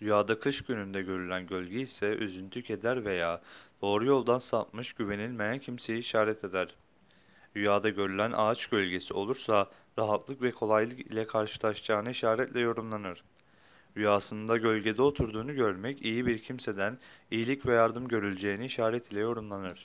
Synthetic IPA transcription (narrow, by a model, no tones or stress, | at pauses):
d̪yjaːd̪akʰɯʃɟynynd̪ɛɟø̞ɾylʲænɟø̞lʲɟɛisɛʔy̰zynt̪ʰyce̞d̪æɾve̞jaːd̪̥o̞ːɾujo̞lˠd̪ansap̚mɯʃɟyve̞nilʲmejæncʰimse̞jiːʃaːɾɛt̪ʰe̞d̪æɾ̥ | yjaːd̪aɟø̞ɾylʲænʔa̰t͡ʃɟø̞lʲɟe̞sio̞̰lˠuɾsa | ɾaɦat̪lˠɯkvɛkʰo̞lˠajlˠɯkḭlʲɛkʰaɾʃɯ̥lˠaʃd͡ʒaːnɯiʃaːɾɛt̪lʲɛjo̞ɾumlˠanɯɾ̥ | yjaːsɯnd̪aɟø̞lʲɟe̞d̪ɛo̞t̪ʰuɾd̪uːnuɟøɾmɛcijibiɾcʰimse̞d̪ænijilʲicvɛjaɾd̪ɯmɟø̞ɾylʲd͡ʒe̞jːniiʃaːɾɛt̪ʰilʲɛjo̞ɾumlˠanɯɾ̥